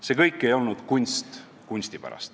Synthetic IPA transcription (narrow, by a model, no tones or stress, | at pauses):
se̞kɤjkːˑe̞jo̞lnud̪̥kunʲst̪ | kunʲsʲt̪ipæ̰ɾɑ̰st̪